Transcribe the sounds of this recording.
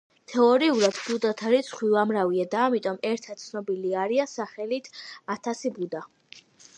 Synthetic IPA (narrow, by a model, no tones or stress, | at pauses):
t̪ʰɛɔɾiuɾad̪bud̪at̪ʰaɾisʰχwivamɾaviad̪aːmit̪ʼɔmɛɾt̪ʰat̪̚t̪sʰnɔbiliaɾiasaχɛlit̪ʰat̪ʰasibud̪a